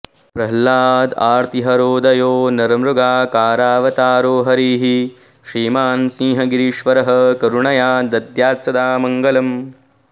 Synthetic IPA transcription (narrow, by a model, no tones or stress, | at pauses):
pɾɐɦlaːd̪aːɾt̪iɦɐɾoːd̪ɐjoːnɐɾɐmɾuɡaːkaːɾaːʋɐt̪aːɾoːɦɐɾiːɦi | ʃɾiːmaːnsĩːɦɐɡiɾiːʃʋɐɾɐɦɐkɐɾuɳɐjaːd̪ɐd̪jaːt̪sɐd̪aːmɐŋɡɐlɐm